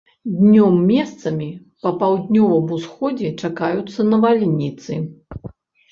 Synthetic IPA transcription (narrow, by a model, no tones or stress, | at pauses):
d̪ʲnʲɔmːʲɛst̪sɐmʲi | pɐpawd̪ʲnʲɔvɐmusxɔd͡zʲɛt͡ʂakajut̪sːɐnɐvalʲnʲit̪sɨ